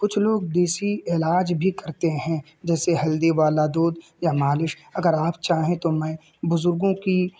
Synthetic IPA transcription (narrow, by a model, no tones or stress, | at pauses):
kʊt͡ʃʰloːɡd̪eːsiɪːlaːd͡ʒbʱikɐɾt̪eɦɛ̃ | d͡ʒɛːseɦɐld̪eʋaːlad̪oːd̪ | jamaːlɪʃ | ɐɡəɾaːpt͡ʃaːɦẽt̪omɛ̃ː | bʊzʊɾɡõki